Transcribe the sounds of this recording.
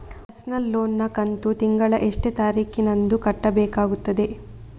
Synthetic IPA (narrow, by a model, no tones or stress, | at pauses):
ɐsnɐlːo̞ːnːɐkɐnt̪ut̪iŋɡɐɭɐʔeʂʈet̪aːɾiːkinɐnd̪ukɐʈːɐbɛːkaːɡut̪ːɐd̪e̞